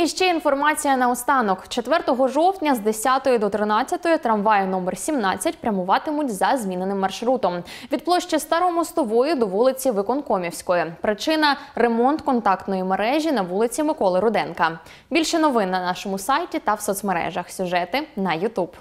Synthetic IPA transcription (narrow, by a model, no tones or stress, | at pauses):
iʃt͡ʃɛinfɔrmɑt͡sʲijɐnɐɔst̪ɑnɔkt͡ʃet̪ʋɛrt̪ɔɦɔʒɔwt̪ʲnʲɐzd̪esʲat̪ɔjʊd̪ɔt̪ɾɪnɑt͡sʲːɐt̪ɔjʊt̪ɾɐmʋɑjɐnɔmersʲimnɑt͡sʲːɐtʲpɾʲɐmʊʋɑt̪ɪmʊtʲzɐzʲmʲinenɪmːɐrʃɾut̪ɔmʋʲid̪̚plˠɔʃt͡ʃɪst̪ɑɾɔmɔst̪ɔʋɔjʊd̪ɔʋulˠɪt͡sʲiʋɪkɔnkɔmʲiwsʲkɔjipɾɪt͡ʃɪnɐremɔnt̪kɔnt̪ɑkt̪nɔjimeɾɛʒʲinɐʋulˠɪt͡sʲimɪkɔlˠɪɾʊd̪ɛnkɐ | bʲilʲʃɛnɔʋɪnːɐnɑʃɔmʊsɑjtʲit̪ɐwsɔt̪smeɾɛ̰ʒɐxsʲʊʒɛt̪ɪnɐjʊt̪ub̥